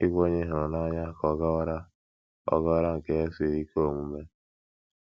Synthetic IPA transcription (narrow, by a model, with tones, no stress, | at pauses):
i˦ɡʷo˦ɲe˦ɦɾʊ˨na˦ɲa˦kɔ˨ɡa˦wa˦ɾa˦ | ɔ̰˦ɡa˦wa˦ɾa˦ŋ̩˨ke˨e˦si˨ɾi˦ko˦˨mu˦me˦